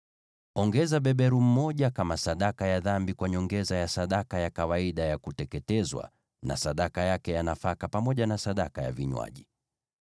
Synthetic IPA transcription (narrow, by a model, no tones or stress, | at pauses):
ɔŋɡɛzaɓɛɓɛɾum̩mɔʄakamasaɗakajaðambikwaɲɔŋɡɛzajasaɗakajakawaiɗajakutɛkɛtɛzwa̰ | na̰saɗakajakɛjanafakapamɔʄanasaɗakaja̰viɲwa̰ʄi